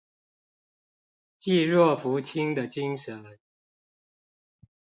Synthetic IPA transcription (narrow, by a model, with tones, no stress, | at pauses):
t͡ɕi˥˧ɻwɔ˥˩fu˨˥t͡ɕʰi˥ŋd̪ə˨t͡ɕi˦˥ŋʂə˨˦n